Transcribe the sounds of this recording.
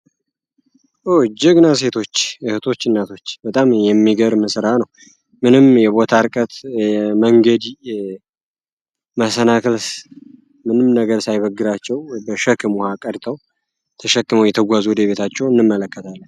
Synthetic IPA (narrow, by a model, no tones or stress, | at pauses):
ʔod͡ʒɪɡnas̬e̞t̪ʰo̞t͡ʃːɨhɨt̪ʰo̞t͡ʃːɨnːat̪ʰo̞t͡ʃːbət̪ʼamjɛmːiɡəɾməsɾanəw | mɨnɨmjɛβo̞t̪ʰaɾkʼət̪ɛməŋɡəd̪ | məsənakʰəls | mɨnɨmnəɡəɾsajβəɡɨɾat͡ʃːɛwbəʃəkːɨmuhakʼəɾt̪ʰəw | t̪ʰəʃəkːɨməwjɛt̪ʰəɡʷazud̪eβe̞t̪ʰat͡ʃːɛwɨnːɨmːələkːət̪ʰalːən